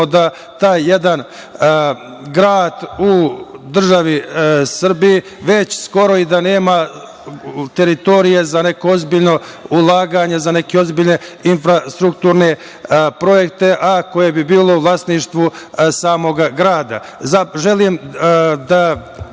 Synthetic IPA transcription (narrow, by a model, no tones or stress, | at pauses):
od̪a | t̪aːjːe̞d̪an | ɡɾaːd̪ud̪r̩ʒaʋisr̩biji | ʋe̞t͡ɕsko̞ɾo̞id̪ane̞ːma | t̪e̞ɾit̪o̞ɾije̞zane̞ko̞ozbiʎno̞ulˠaːɡaɲezane̞keo̞zbiʎne̞infɾast̪ɾukt̪uːɾne̞ | pɾo̞je̞k̚t̪e̞ʔako̞jebibiːlˠo̞uʋlˠast̪niʃt̪ʋusaːmo̞ɡaɡɾaːd̪a̰ | zaʒelimd̪a